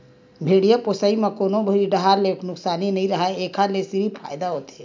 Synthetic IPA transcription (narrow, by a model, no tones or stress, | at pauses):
bʱeɽijaposaimekonobʱəɾiɖəɦaɾleknʊksaːninəĩɾəɦaeekʰalesiɾipʰa̰ːjd̪aɦot̪e̥